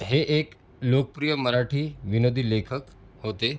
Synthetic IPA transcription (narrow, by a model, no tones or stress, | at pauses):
ɦeʔek | lokəpɾijəməɾaʈʰiːʋinod̪ʱilekʰək | hot̪e